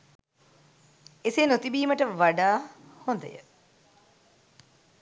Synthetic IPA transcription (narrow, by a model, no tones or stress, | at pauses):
esenot̪ibiːməʈəʋaɖaːhond̪ə̰jə̰